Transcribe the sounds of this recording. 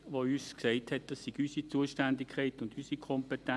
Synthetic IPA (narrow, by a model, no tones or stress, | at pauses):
ʋoyːsksɛɪthɛt̚d̥ɑsːiɡ̥ysit͡suəʃtændɪkʰɛɪtʊndysikʰɔmpɛtɛ